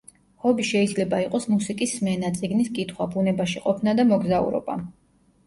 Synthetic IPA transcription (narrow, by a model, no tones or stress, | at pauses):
hɔbiʃɛid̪zlɛbaiqʼɔsmusikʼisːmɛnat̪sʼiɡniskʼit̪ʰχwabunɛbaʃiqʼɔpʰnad̪amɔɡzaṵɾɔ̰ba̰